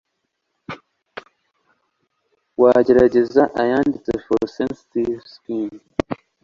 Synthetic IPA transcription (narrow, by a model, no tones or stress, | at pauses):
wad͡ʒiɾad͡ʒizaʔa̰janditəfosenstiskin